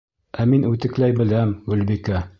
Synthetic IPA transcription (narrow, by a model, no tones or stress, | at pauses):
æminʉt̪ɘ̆klæjbɘ̆læmɡʉlbikæ